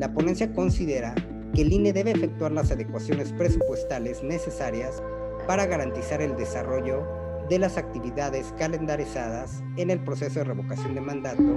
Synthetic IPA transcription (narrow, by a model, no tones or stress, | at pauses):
lapo̞ne̞nsjako̞nsiðe̞ɾa | ke̞lineðe̞βe̞ːfe̞k̚t̪waɾlasaðekwasjo̞ne̞spɾesupwe̞st̪ale̞zne̞se̞saɾjas | paɾaɣaɾant̪isaɾe̞ld̪e̞saro̞ʝo̞ | ðe̞lasak̚t̪iβiðaðe̞skale̞nd̪aɾisaðas | e̞ne̞lpɾo̞se̞so̞ðe̞re̞βo̞kasjo̞nd̪emãnd̪at̪o̞